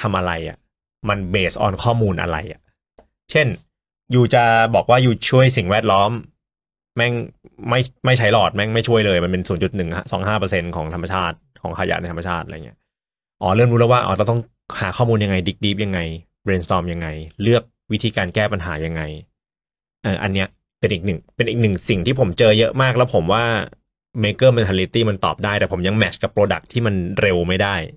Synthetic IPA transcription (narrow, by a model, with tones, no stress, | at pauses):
t̪ʰa˧mʔa˧ɾa˧jʔa̰˨˩ | ma˧nbeː˨˩sʔɔ̰ː˧nkʰɔː˥˩muː˧nʔa̰˧ɾa̰˧jʔa̰˨˩ | t͡ɕʰe˥˩n | juː˨˩t͡ɕa˨˩bɔː˨˩k̚waː˥˩juː˨˩t͡ɕʰu˥˩əjsi˨˩ŋwɛː˥˩t̪̚lɔː˦˥m | mɛ˥˩ŋma˥˩jma˥˩jt͡ɕʰa˦˥jlɔː˨˩t̪̚mɛ˥˩ŋma˥˩jt͡ɕʰu˥˩əjlɤː˧jma˧npe˧nsuː˩˦nt͡ɕu˨˩t̪̚nɯ˨˩ŋsɔ̰ː˩˦ŋɦaː˥˩pɤ˧se˧nkʰɔː˩˦ŋt̪ʰa˧ma˧t͡ɕʰaː˥˩t̪̚kʰɔː˩˦ŋkʰa˧ja̰˧˩na˧jt̪ʰa˧mːa˧t͡ɕʰaː˥˩ʔa̰˧j̰i˦˥ | ʔɔː˧˦lɤː˥˩mɾuː˦˥lɤː˥˩waː˥ʔɔ̰˧˩t̪ɔː˥˩t̪ɔ˥˩ŋ | ha̰ː˩˦kʰɔː˥˩muː˧nja˧ŋːa˧jdiː˦˥k̚di˦˥p̚ja˧ŋːa˧j | bɾeː˧nst̪ɔː˧mja˧ŋːa˧jlɯ˥˩ək̚wi˦˥t̪ʰiː˧kaː˧nkɛː˥˩pa˧nɦaː˩˦ja˧ŋːa˧j | ʔɤː˨˩ʔa̰˧nːi˦˥ɐ | pe˧nʔiː˨˩k̚nɯ˨˩ŋpe˧nʔiː˨˩nɯ˨˩ŋsi˨˩ŋt̪ʰiː˥˩pʰo˩˦mt͡ɕɤː˧jɤ˦˥ʔmaː˥˩k̚lɛ˦˥wpʰo˩˦mwaː˥˩ | meː˧kɤː˥˩me˧ntʰa˧li˦t̪iː˥˩ma˧nt̪ɔ̰ː˨˩p̚daː˥˩jt̪ɛː˨˩pʰo˩˦mja˧ŋmɛ˨˦˥t͡ɕka˨˩pːɾoː˧da̰˨˩k̚t̪ʰiː˥˩ma˧nɾe˧wma˥˩jdaː˥˩j